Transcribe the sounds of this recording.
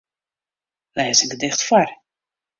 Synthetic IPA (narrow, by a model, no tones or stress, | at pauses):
lɛsɪŋɡədɪxtfar